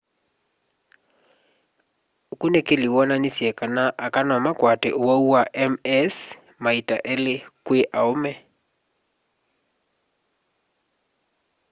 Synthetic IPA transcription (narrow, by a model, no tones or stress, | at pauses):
okunekeliwɔnanisjɛkanaʔakanɔmakwatɛ̰ʔowauaʔɛmɛs | maita̰ʔelɪkweʔaomɛ